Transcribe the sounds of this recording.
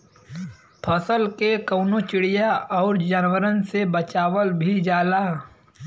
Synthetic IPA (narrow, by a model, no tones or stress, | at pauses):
pʰəsəlkekɐʊnot͡ʃɪɽijaɔːɾd͡ʒaːnwəɾənsebət͡ʃaːwəlbʱid͡ʒaːlaː